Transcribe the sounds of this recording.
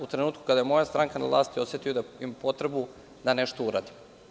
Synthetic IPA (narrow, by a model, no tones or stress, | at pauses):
ut̪ɾenuːt̪ku̥kad̪ajemo̞jast̪ɾʔaŋkana̰vlˠa̰ːst̪io̞set̪ijod̪aimapo̞t̪ɾe̞bu | d̪ane̞ʃt̪ouɾa̰d̪im